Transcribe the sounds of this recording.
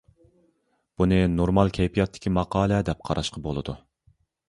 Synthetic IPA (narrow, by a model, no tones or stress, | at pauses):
b̥unɨnoɾmɑlˠkʲʰɛjpʰijɑt̪ʰːɪ̥kʲimɑqɑːlˠɛd̪ɛp̚qʰɑɾʔɑʃqɑbolˠɨd̪u